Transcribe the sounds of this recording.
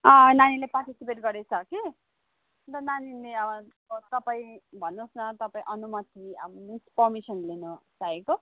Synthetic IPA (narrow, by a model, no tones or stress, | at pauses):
ʌ̃nanileparʈisipeʈɡʌɾet͡sʰʌke | dʌnanileʌbʌ | t̪ʌpaĩbʱʌnːosnʌt̪ʌpaĩʔʌnumʌt̪iʌ̰bʌnispʌrmisʌnlenʌsaeko